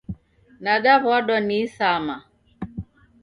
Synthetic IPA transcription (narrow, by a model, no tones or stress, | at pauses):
naɗaβɔɗɔnisama